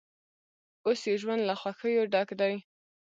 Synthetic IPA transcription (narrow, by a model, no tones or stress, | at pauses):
osjewʒwand̪laxwaxəjoɖɑkd̪aj